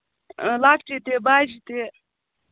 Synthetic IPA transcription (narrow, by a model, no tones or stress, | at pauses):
laːkʈit̪ebaːd͡ʒit̪e